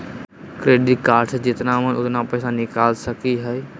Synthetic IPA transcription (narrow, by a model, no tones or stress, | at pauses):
kɾeːɖɪʈkaːɾʈʰd͡ʒɪt̪namə̃nʊt̪napɛːsanɪkaːlsəkiɦɛ